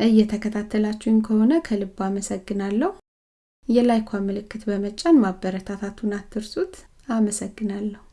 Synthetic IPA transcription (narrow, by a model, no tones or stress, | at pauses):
ʔɨjːɛt̪ʰəkʰət̪ʰat̪ʰːəlat͡ʃːɪnkʰəho̞nəkʰəlɨbːaməsəɡːɨnalːəhu | jɛlajkʰʷaməlɨkːɨt̪bəmət͡ʃʼːanmabːəɾət̪ʰat̪ʰat̪ʰunat̪ʰːɨɾsut̪ | aməsəɡːɨnalːəhu